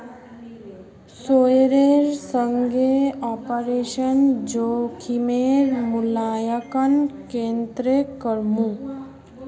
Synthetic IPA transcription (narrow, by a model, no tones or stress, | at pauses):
sojɾeɾsəŋɡʱeɔːpəɾeʃənd͡ʒokʰimeɾmulaːjəkənkent̪ɾekəɾmũ